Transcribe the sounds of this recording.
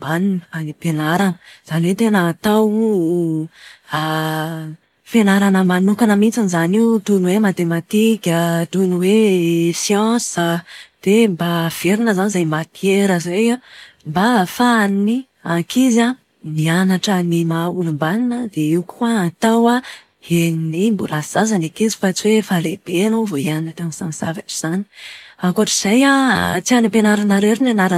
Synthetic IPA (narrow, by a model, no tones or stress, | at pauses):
mbaninəanipenaɾanz̥aniwet̪enaːt̪aw | a | fenaɾanəmanukanəmit͡sinizaniut̪unuwemat̪emat̪ikʲət̪unuwesjɑ̃səd̪̥embav̥eɾinəzanizajmat̪ʰieɾəzejambafaanini | akiza | nianaʈ͡ʂənimaulumbaninəd̪eiwkʰuaat̪awa | eninimbulaz̥azanakizi̥fat͡siwefaleb̥eanovoianinət̪amisãnz̥avaʈ͡ʂi̥z̥ani̥aŋkoaʈ͡ʂiz̥ajat͡sianipenaɾanaɾeɾinanaɾa